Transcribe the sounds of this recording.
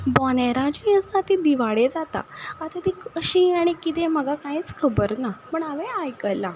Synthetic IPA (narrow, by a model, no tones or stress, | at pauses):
bɔneɾãd͡ʑiəst̪at̪id̪iʋaɽed͡zat̪a̰at̪at̪ikəɕiaɽ̃ikit̪ẽm̤əɡʱakãĩt͡skʰəbəɾnapəɳaʋeajkəjla